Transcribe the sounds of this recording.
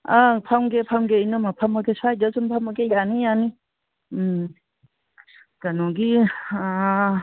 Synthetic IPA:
apʰawmɡepʰamɡejnɯmapʰamaɡesajdasumpʰamaɡejanijani | kanɔɡi

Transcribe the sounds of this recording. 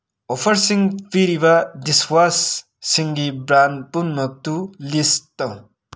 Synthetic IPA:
opʰʌɾsiŋpiɾibadiswasː | iŋɡibɾanpunmʌk̚t̪ulist̪ʌw

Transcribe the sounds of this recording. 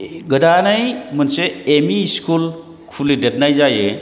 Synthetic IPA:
ɡədanajmənseːmiskʰul | kʰulidet̚najzaje

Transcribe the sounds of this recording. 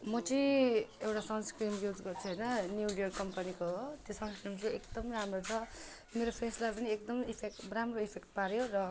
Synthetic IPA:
mʌt͡sʌĩewʈasʌnskrimjud͡zɡʌrt͡sʰuɦʌjnʌnjulijʌrkʌmpʌnikot̪josʌnskrimt͡sʌekd̪ʌmramrot͡sʰʌ | meɾopʰeslapʌniekd̪ʌmipʰek̚ramroipʰekʈpaɾjorʌ

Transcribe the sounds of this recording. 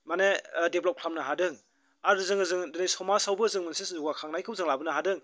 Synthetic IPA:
manedeblɔp̚kʰamnɐɦadɯŋ | aɾɯzɯŋɯzɯŋdɯnisɔmasawbɯzɯŋmɯnsiszuɡwakʰaŋnajkʰɯwzɯŋlabɯnɐɦadɯŋ

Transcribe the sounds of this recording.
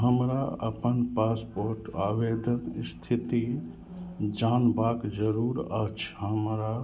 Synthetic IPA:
ɦəmɾaəpənpaːspoːɾʈaːʋeːd̪ənst̪ʰit̪i | d͡ʒaːnbaːkd͡ʒəɾuːɾət͡ʃʰɦəmɾa

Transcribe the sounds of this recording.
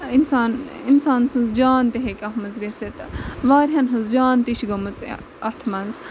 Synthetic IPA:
insaːninsaːnsɨ̃nzd͡ʒaːnt̪eɦekʲɐɦmɐzɡɐset̪ʋaːɾɦɐnɦɨnzd͡ʒaːnt̪iʃɡɐmɨt͡s | ɐt̪ʰmɐnz

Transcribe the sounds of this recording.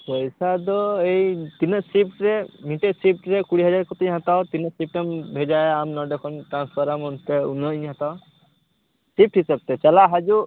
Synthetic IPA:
pɔjsad̪ɔejt̪inɔsip̚ʈɾɛmiʈesip̚ʈɾɛkuɽiɦad͡ʒaɾkɔt̪ẽɦãt̪awt̪inɔsip̚ʈambʱed͡ʒajamnɔɖɔkʰɔnʈɾanspʰɔɾamɔnt̪ɛunɔiɲɦãt̪aʊ | sip̚ʈɦisəb̚t̪ɛt͡ʃalaɦad͡ʒu

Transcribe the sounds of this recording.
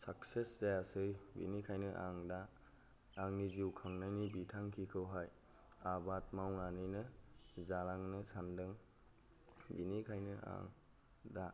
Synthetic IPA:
sakseszajasɯjbḭnikʰajnɯʔaŋdaː | ŋnizuwkʰaŋnajnibitʰaŋkʰikʰɯwɦaj | abat̚mawnanɯjnɯzalaŋnɯsandɯŋ | binikʰajnɯa̰ŋ | da

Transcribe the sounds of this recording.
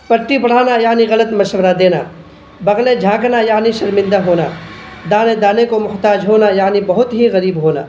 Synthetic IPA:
pɐʈːipɐɽ̤aːnajaːniɣɐlət̪mɐʃwəɾad̪eːna̰ː | bɐɣled͡ʒʱãːknajaːniʃɐɾmɪ̃nd̪aɦoːnaːd̪aːned̪aːnekomʊɦt̪aːd͡ʒɦoːnajaːnibɐɦʊt̪ɦiɣɐɾiːbɦoːna̰ː

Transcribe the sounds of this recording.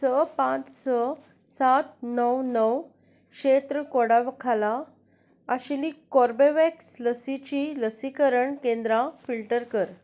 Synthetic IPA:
səpãt͡ssə | sat̪̚nəwnəw | kɕet̪ɾəkoɽaʋkʰala | aɕilikɔɾbeʋeksləsit͡ɕiləsikəɾəɳkẽnd̪ɾafilʈəɾkəɾ

